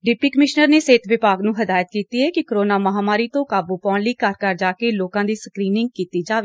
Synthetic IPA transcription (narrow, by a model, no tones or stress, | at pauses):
ɖɪpiːkəmɪʃnəɾneːseːt̪ʰʋɪpaːɡnũːɦəd̪aːjət̪kiːt̪iːɦɛːkɪkəɾoːnaːməɦaːmaːɾiːt̪õːkaːbuːpɔ̃ːnləiːkəɾkəɾd͡ʒaːkeːloːkãːd̪iːsəkɾiːnɪ̃ŋɡ̚kiːt̪iːd͡ʒaːʋeː